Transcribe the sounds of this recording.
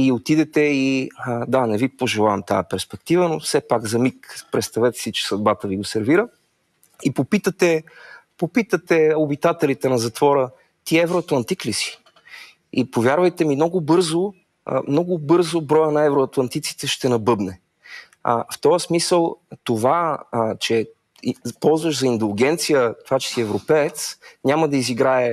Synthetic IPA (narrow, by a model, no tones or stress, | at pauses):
iot̪id̪ɛt̪ɛid̪anɛvipoʒɛlˠavɐmt̪ajəpɛɾspɛk̚t̪ivənofsɛpaɡzɐmikpɾɛt̪st̪ɐvɛt̪ɛ̥sit͡ʃɛ̥sɐd̪̚bat̪əviɡosɛɾviɾə | ipopit̪ət̪ɛpopit̪ət̪ɛobit̪at̪ɛlit̪ɛnɐzɐt̪vɔɾə | t̪iɛvɾoɐt̪lˠɐnt̪iklisi̥ | ipovʲjaɾvɐjt̪ɛminɔɡʊbɤɾzo̰ | mnɔɡʊbɤɾzobɾɔjənɐɛvɾoɐt̪lˠɐnt̪it̪si̥t̪ɛʃt̪ɛnɐbɤbnɛ | ə̰ft̪ɔəsmisəlˠt̪ovat͡ʃɛ | pɔlˠzvəʃzɐind̪ɛlʲˠɡʲɛnt̪sijət̪ovat͡ʃɛ̥siɛvɾopɛɛt̪sɲʲaməd̪ɐiziɡɾaɛ